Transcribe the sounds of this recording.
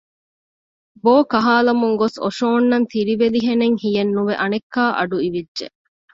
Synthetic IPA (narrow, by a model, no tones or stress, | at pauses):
boːkɐɦaːlɐmuŋɡoso̰ʃoːnːɐnt̪iɾiʋeliɦeneŋhijɐnːuʋeʔɐnekːaːʔɐ̰ɖuiʋidʒḛ